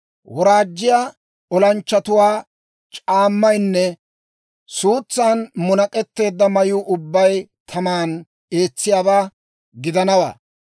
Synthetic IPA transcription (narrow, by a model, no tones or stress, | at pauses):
wɔɾaːd͡ʒːɪjaː | ɔlɐnt͡ʃːɐt̪ʊwaː | t͡ʃʼaːmːɐjnːɛ | suːt͡sːaːnmʊnɐkʼɛt̪ːe̞ːd̪ːɐmɐjuːʔʊbːɐjt̪ʰɐmaːn | e̞ːt͡sːɪjaːbaː | ɡɪd̪ɐnɐwa̰ː